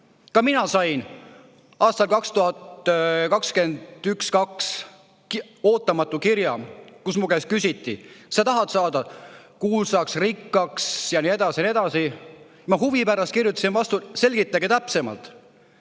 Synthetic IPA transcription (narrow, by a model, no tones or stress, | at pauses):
kɑminɑsɑjn | ɑːst̪ɑlkɑkst̪uɦɑt̪kɑkske̞nd̪̥ykskɑks | o̞ːt̪ːˑɑmɑt̪ˑːukiɾjɑkusmukæskysʲit̪ːˑḭsɑt̪ɑɦɑd̪̥sɑːd̪̥ɑkuːlsɑksrikːɑksjɑnie̞d̪̥ɑsinie̞d̪̥ɑsi | mɑɦuvipærɑst̪kirjut̪ːˑɑ̥sinvɑst̪use̞lʲɡit̪ˑːɑɡet̪æpse̞mɑ̰lt̪ˑ